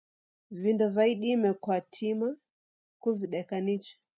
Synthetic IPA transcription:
vindɔvaiɗimɛkwatʰima | kuviɗɛkanit͡ʃḁ

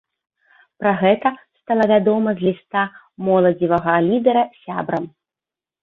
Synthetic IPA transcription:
pɾaɣɛt̪ɐst̪alˠɐvʲad̪ɔmɐzʲlʲist̪a | mɔlˠɐd͡zʲivɐɣɐlʲid̪ɛɾɐsʲa̰bɾɐm

